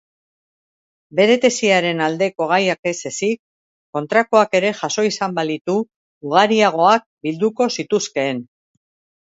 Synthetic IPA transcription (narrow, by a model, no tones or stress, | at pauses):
be̞ɾe̞t̪e̞siaɾe̞nald̪e̞ko̞ɣ̞ajake̞se̞sikː | o̞nt̪ɾako̞ake̞ɾe̞ʝaso̞isambalit̪uː | ɣ̞aɾiaɣ̞o̞ak̚bild̪uko̞sit̪uske̞ːn